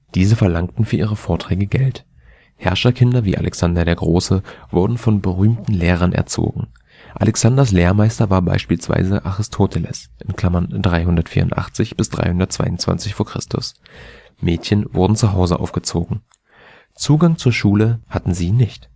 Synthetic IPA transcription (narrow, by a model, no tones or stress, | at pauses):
d̥iːzəfɛɐlaŋk̚tn̩fyːɐʔiːʁəfoːɐtʁ̥ɛːɡəɡɛlt | hɛɐʃɐkʰɪndɐviːʔa̰lʔɛksandɐɾeːɐɡʁoːsəvʊɐdn̩fɔnbəʁyːmtn̩leːʁ̞ɐnʔɛ̰ɐt͡so̰ːɡŋ̩ | ʔa̰lʔɛksandɐs̬leːɐmaɪstɐvaːɐba̰ɪʃpiːlsv̥a̰ɪzəʔaʁɪstʰoːtʰɛlɛ̰sʔɪnkl̥amɐndʁaɪɦʊndɐtfiːɐʁʊ̰ntʔa̰χt͡sɪçb̥ɪsd̥ʁa̰ɪhʊndɐtt͡sv̥a̰ɪʊnt͡sv̥a̰nt͡sɪçfoːɐkʁ̥ɪ̰stʊ̰s | mɛːtçənvʊɐdn̩t͡suɦaʊzəʔa̰ʊfɡ̥ət͡soːɡŋ̩ | t͡suːɡaŋt͡suːɐʃuːləhatn̩ziːnɪçt